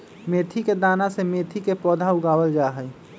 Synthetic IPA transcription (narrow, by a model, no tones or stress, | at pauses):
meːt̪ʰiked̪aːnasemeːt̪ʰikepɔːd̪ʱaʊɡaːwəld͡ʒaːɦɛː